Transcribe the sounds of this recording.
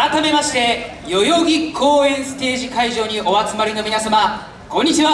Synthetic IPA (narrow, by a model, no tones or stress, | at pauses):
ɾat̪ame̞maɕi̥t̪e̞ | jo̞jo̞ɡʲikʰo̞ːẽ̞ɰ̃sɨ̥t̪e̞ːʑikaiʑo̞ːɲ̟iʔo̞βat͡sɨmaɾʲino̞mʲinasama | kõ̞ɲ̟ːit͡ɕiβa